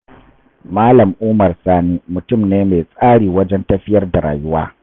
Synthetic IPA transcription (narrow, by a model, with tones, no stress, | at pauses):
maː˦lɐ˨mʔuː˦mɐ˨rsaː˦niː˦mʊ˨tʊ˦˨mneː˦meː˨sʼaː˦ɽiː˨wɐ˦d͡ʒɛ˦ntɐ˦ɸɪ˦jɐ˦rda˨ɾa̰ː˨jʊ˦waː˦